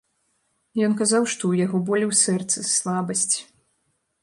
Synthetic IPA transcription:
jɔnkazawʂt̪ɔwjaɣɔbɔlʲɛwsɛrt̪sɨslˠabɐsʲt͡sʲ

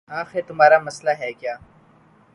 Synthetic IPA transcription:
aːxet̪ʊmaːɾaːmɐslaɦɛːkjaː

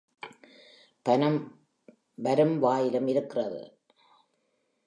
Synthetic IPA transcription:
pɐnɐm | ʋɐɾɯmʋaːjɪlɐmɪɾɯkːɪrɐðɯ̰

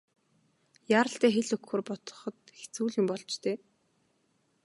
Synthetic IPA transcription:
jaːɾə̆ɬt̪æːxeɮɵkxɵːrpɔt̪ɞ̥̆χɞ̆t̪xʰt͡suːɮʊmpɔɮt͡ɕt̪ʰeː

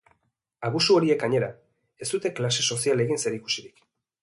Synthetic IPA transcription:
aβusuo̞ɾie̞kaɲe̞ɾa | e̞st̪ut̪e̞klase̞so̞siale̞ɣinse̞ɾiku̥siɾik

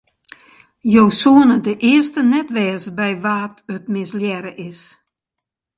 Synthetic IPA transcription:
jowsuənədəʔɪərstənɛtʋɛːsbɛjʋaːtətmɪsljɛɾəʔɪs

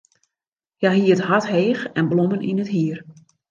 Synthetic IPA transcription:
jaɦiəthatheːxɛnblomənʔinəthiər

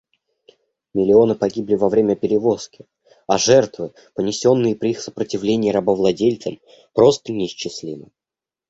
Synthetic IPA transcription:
mʲɪlʲɪo̞nɨpɐɡʲiblʲɪvɐvɾʲemʲəpʲɪɾʲɪvo̞skʲɪ | ɐʐɛrt̪vɨ | pənʲɪsʲo̞nːɨjəpɾʲɪixsə̥pɾətʲɪvlʲenʲɪːɾɐbəvlˠɐdʲelʲt̪səm | pɾo̞st̪ənʲɪːɕt͡ɕːɪsʲlʲimə

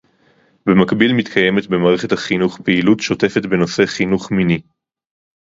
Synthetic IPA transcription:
be̞makbilmitkʰaje̞metbe̞maːʁeχethaχinuχpeilutʃo̞te̞fe̞tbe̞no̞se̞χinuχmini

